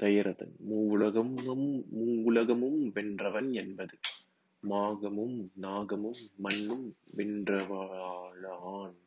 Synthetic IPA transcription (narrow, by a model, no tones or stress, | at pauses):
t̪ɐjɐɾɐðɐ̰nmuːʋʊɭɐɣɐmɐmːuːʊɭɐɣɐmɯmʋɛndrɐʋɐnɛnbɐðɯ | maːɣɐmɯmnaːɣɐmɯmːɐnːɯmʋɪndrɐʋɐaːɭaːn